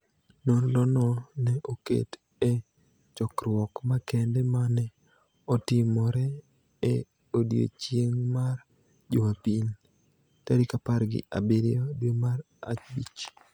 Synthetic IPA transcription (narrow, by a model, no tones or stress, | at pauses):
nonlɔnɔnɛʔokḛt | e | t͡ʃɔkrwɔkmakɛndɛmanɛ | ɔtɪmɔɾɛ | e | odjo̰t͡ʃjeŋmar | d͡ʒomapiɲ | taɾikapaɾɡɪ̰ʔa̰beɾɪodwemaɾ | a̰t͡ʃbit͡ʃ